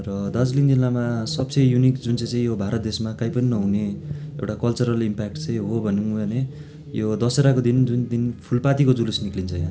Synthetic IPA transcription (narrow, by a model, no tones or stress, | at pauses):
rʌd̪ad͡zliŋd͡zilːamasʌb̚t͡sʌjjunikd͡zunt͡sʌ̃j̃t͡sʌ̃ĩjobʱaɾʌt̪̚d̪esmakajpʌninʌɦuneḛwʈakʌlt͡sʌɾʌlimpak̚ʈt͡sʌj̃ɦobʱʌnubʱʌne | jod̪ʌseɾakod̪ind͡zund̪inpʰulpat̪ikod͡zulusniklint͡sʰʌjã